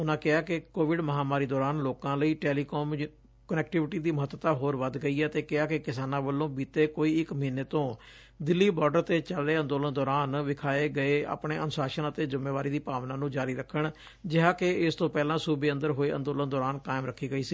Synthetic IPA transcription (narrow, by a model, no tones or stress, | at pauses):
ʊnãːkɪaːkɪkoːʋɪɖməɦaːmaːɾiːd̪ɔːɾaːnloːkãːləiːʈɛːliːkoːm | kənɛːkʈɪʋɪʈiːd̪iːməɦət̪ːət̪aːɦoːɾʋəd̪ɡəiːɛːt̪eːkɪaːkɪkɪsaːnãːbəlːõːbiːt̪eːkoːiːɪkməɦɪnːeːt̪õː | d̪ɪlːiːbɔːɾɖəɾt̪eːt͡ʃəlːeːə̃nd̪oːlənd̪ɔːɾaːnʋɪkʰaːeːɡəeːa̰ːpɳeːənʊsaːʃənət̪eːzɪmːeːʋaːɾiːd̪iːpaːʋnãːnũːd͡ʒaːɾiːɾəkʰːəɳ | d͡ʒɪɦãːkeɪst̪õːpɛːlãːsuːbeːə̃nd̪əɾɦoːeːʔə̰̃nd̪oːlənd̪ɔːɾaːnkaːɪmɾəkʰːiːɡəiːsiː